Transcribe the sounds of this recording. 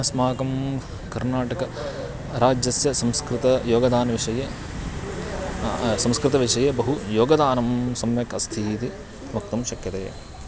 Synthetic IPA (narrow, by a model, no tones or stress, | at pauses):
ɐsmaːkɐm | kɐɾnaːʈɐkɐ | ɾaːd͡ʒjɐsjɐsɐmskɾɪt̪ɐjoːɡɐd̪aːnɐʋiʂɐjeː | sɐmskɾɪt̪ɐʋiʂɐjeːbɐɦujoːɡɐd̪aːnɐmsɐmʋjɐkɐst̪ʰiːt̪i | ʋɐk̚t̪ɐmʃɐkjɐt̪ḛː